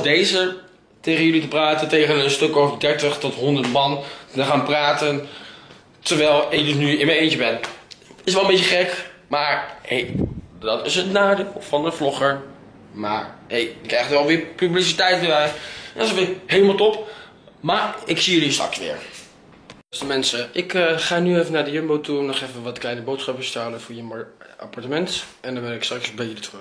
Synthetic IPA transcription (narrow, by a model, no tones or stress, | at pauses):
dejzə | tejχənjɵlitəpraːtəntejχənənstɵkovədɛɹtəχtɔtɦɔndəɹtmɑntəχaːnpraːtən | təʋɛlˠɪkdɵsnyɪnmənejnt͡ʃəbɛnɪs̬ʋɛlˠəmbejcəχɛkmaːɹhejdɑtɪsənnːaːdɪlˠfɑndəvlɔχəɹ | ma̰ːɹhejdəkɛjχtəʋɛlˠʋɪːpyblis̬itɛjtʋɪʋɛjɛnɔstʋɪɦejləmalˠtɔp | maːɹɪksiəlistr̰ksʋɪ̰ːɹ | stəmɛnsəʔɪkχaːnyeːfənaːɹdəjømbowtuɔnɔχefənʋɔtklɛjnəbowtsχɑpəstəɦaləfʊːɹjəma̰paɹtəmɛntɛndɔnʋɛnɪkstrɑksbɛjəlitrø